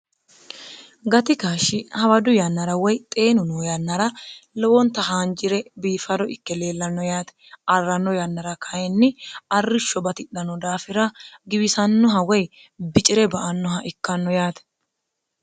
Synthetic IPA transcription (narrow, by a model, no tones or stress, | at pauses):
ɡɐt̪ɪkaːʃɪhɐwɐd̪ʊjɐnːɐɾɐwɔjt̪ʼe̞ːnʊnoːjɐnːɐɾɐlɔwɔnt̪ɐhaːnd͡ʒɪɾɛbiːfɐd̪ɔʔɪkːɛle̞ːlːɐnːɔjaːt̪ɛ̥ | ʔɐrːɐnːɔjɐnːɐɾɐkʰɐjɛnːɪɐrːɪʃːɔbɐt̪ɪɗːɐnːɔd̪aːfɪɾɐɡɪbɪsɐnːɔɦɐwɔj | bɪt͡ʃʼɪɾɛbɐʔɐnːɔɦɐʔɪkːɐnːɔjaːt̪ɛ̥